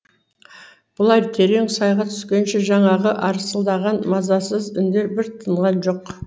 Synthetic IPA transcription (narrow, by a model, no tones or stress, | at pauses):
b̥ʊlˠɑjt̪ʰe̞ɾeŋsɑjʁɑt̪ʰʏ̥skʲe̞nʃe̞ʒɑɴɑʁəʔɑɾəsəlˠd̪ɑʁɑnmɑzɑsəzʏnd̪e̞ɾbɪɾt̪ʰəɴʁɑnʒo̞q